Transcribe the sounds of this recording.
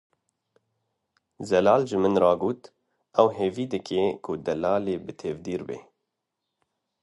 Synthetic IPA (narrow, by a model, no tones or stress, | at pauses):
zɛlɑːlʒɨmɨnrɑːɡoːt̪ | ʔɛwɦeːviːd̪ɨkeːkʰʊd̪ɛlɑːleːbɨt̪ʰeːvd̪iːɾbḛː